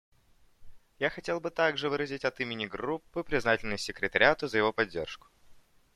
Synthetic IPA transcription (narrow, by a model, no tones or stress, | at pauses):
jaxɐtʲe̞lˠbɨt̪aɡʐɨvɨɾəzʲɪtʲɐt̪imʲɪnʲɪɡrupːɨpɾʲɪznatʲɪlʲnɨsʲːɪkɾʲɪt̪ɐɾʲɪat̪əzəjɪvo̞pɐdʲːe̞rʂkʊ̥